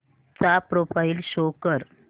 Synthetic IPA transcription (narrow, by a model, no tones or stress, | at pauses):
t͡sapɾofailɕokəɾ